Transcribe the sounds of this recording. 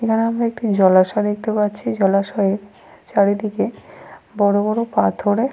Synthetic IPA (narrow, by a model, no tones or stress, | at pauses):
ekʰaneamɾaek̚ʈid͡ʑɔlaʃɔd̪ek̚t̪epatːɕʰid͡ʑɔlaʃɔeɾ | t͡ɕaɾid̪ikebɔɽobɔɾopat̪ʰoɾe